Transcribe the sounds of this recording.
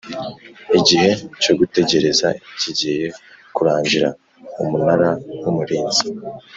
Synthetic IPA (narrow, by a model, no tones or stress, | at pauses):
iɟihe̞co̞ɡute̞ɟe̞ɾe̞za̰iciɟejekuɾaːɲɟiɾa̰ | umunaɾawumuɾeːnzi̥